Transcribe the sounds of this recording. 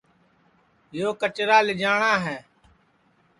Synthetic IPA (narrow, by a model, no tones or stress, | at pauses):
joːkət͡ʃɾaːlɪd͡ʒaːɳaːɦɛː